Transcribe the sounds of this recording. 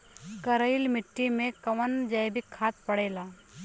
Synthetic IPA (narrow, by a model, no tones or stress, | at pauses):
kəɾəɪlmɪʈːimẽkɐʋənd͡ʒajbɪkʰːaːt̪̚pəɽeːlaː